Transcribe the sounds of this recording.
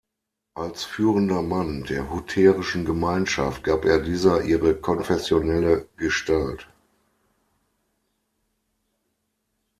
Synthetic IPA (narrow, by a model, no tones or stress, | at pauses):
ʔalsfyːʁəndɐmandeːɐɦutʰɛːʁɪʃn̩ɡəmaɪnʃaft̚ɡ̥aːpʔeːɐdiːzɐʔiːʁəkʰɔnfɛsjonɛləɡ̥əʃtalt